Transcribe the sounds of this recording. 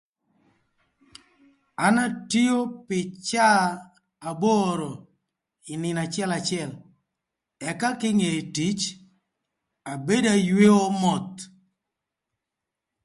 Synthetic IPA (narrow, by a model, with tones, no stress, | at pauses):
a˦na˦ti˦o˦pɪ˨t͡ʃaː˦˨ | bo˦ɾo˨ | ɪ˨nɪ˨na˨t͡ʃɪɛ˦la˨t͡ʃɪɛ˨l | ɛ˨ka˦kɪ˦ŋe˨ti˨˦t͡ʃ | a˨be˦da˦jwe˦o˦mɔ˨t̪